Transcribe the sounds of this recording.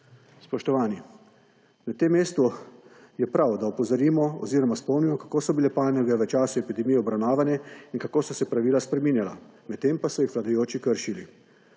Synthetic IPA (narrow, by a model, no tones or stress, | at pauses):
spɔʃt̪ɔʋaːni | nat̪emːeːst̪u | jɛpɾawd̪aɔpɔzaɾiːmɔɔ̰ziːɾɔmaspɔwnimɔkḁkoːsɔbilɛpaːlnɛɡɛʋət͡ʃaːsuɛpid̪ɛmijɛɔbɾawnaːʋanjɛinkakoːsɔsɛpɾaʋiːlaspɾɛmiːnjala̰mɛt̪ːempasɔjixʋlad̪ajoːt͡ʃikəɾʃilḭ